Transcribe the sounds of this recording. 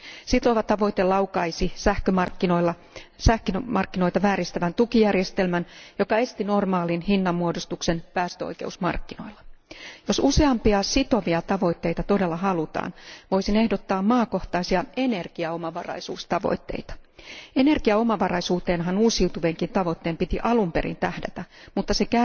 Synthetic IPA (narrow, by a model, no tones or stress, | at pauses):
sit̪oʋɑt̪ɑʋo̞it̪elɑwkɑisisæhkømɑrkːinoilːɑ | sæhkinmɑrkːino̞jt̪ɑʋæːɾist̪æʋænt̪ukijærjest̪e̞lmænjo̞kɑe̞st̪ino̞rmɑːlinhinːɑmːuodost̪uksenpæːst̪øo̰jke̞usmɑ̰rkːino̞̰ilːɑ̥jo̞suse̞ɑmpiɑsit̪o̞ʋiɑt̪ɑʋo̞it̪ːeit̪ɑt̪o̞de̞lːɑhɑlut̪ɑ̰ːnʋo̞jsine̞hdot̪ːɑːmmɑːko̞ht̪ɑisiɑene̞rɡ̥iɑo̞mɑʋɑ̰rɑ̰jsṵːst̪ɑʋo̰it̪ːḛit̪ɑ̥ene̞rɡiɑo̞mɑʋɑrɑjsuːt̪eːnɦɑnuːsiut̪uʋeŋkint̪ɑʋo̞t̪ːeːmpit̪iʔɑlumpeɾḭnt̪æhdæt̪æmut̪ːɑsekæ